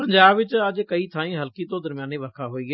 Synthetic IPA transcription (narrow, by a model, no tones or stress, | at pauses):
pəɲd͡ʒaːbʋɪt͡ʃəd͡ʒkəiːt̪ʰaːĩːɦəlkiːt̪õːd̪əɾmjaːneʋəɾkʰaːɦoːiɡe